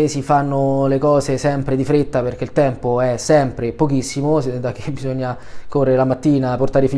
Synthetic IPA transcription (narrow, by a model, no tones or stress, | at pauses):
sifanːolekɔːzesɛmpɾed̪ifɾet̪ːaperk̟eilt̪ɛmpoɛsːɛmpɾepok̟isːimosd̪ak̟ʰːebizoɲːa | korːeɾelamat̪ːiːnaport̪aːɾefi